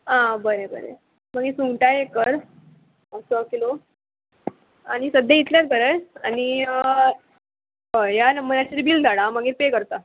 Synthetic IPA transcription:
ãbəɾebə̰ɾḛ | məɡisuŋʈajekəɾ | əsəkilo | a̰ɽ̃isəd̪ʱjeit̪ljat̪̚bʱəɾəjañi | ɦəjanəməɾjat͡ɕiɾibiːld̪ʱaɽãməɡepekəɾt̪a

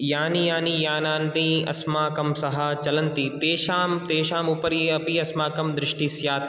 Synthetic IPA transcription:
jaːnijaːniːjaːnãːnɖĩːɐ̰smaːkɐmsɐɦɐt͡ʃɐlɐnt̪it̪eːʃaːmt̪eːʃaːmupɐɾiɐpiɐsmaːkɐmd̪ɾɪʃʈisjaːt̪

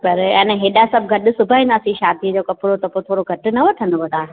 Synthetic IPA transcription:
pɐɾɛːnẽɦeːɗasɐb̚ɡʱɐɗʊ̆sʊbʱaːĩnaːsĩʃaːd̪ʱid͡ʑoːkɐpʊɾot̪ɐpot̪ʰoːɾoɡʱɐʈɪ̆nɐʋɐʈʰənʊʋɐt̪aː

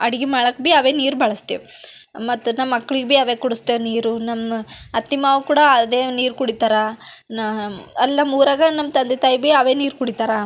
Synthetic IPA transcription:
ɐɽiɡimaːɭɐkːbiɐʋeːniːɾubɐɭɐst̪eʋ | mɐt̪ːunɐmːɐkːɐɭiɡbiɐʋeːkuɽust̪eniːɾunɐmːɐt̪ːimaːʋukuːɽɐɐd̪eːniːɾkuɽit̪aːɾɐnɐlːɐmuːɾaːɡɐnɐmːt̪ɐnd̪et̪aːjibiɐʋeːniːɾkuɽit̪aːɾɐ

